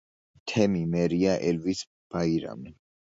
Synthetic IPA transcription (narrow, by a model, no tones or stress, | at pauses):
t̪ʰɛmimɛɾiaʔɛlvis | b̥aiɾa̰mi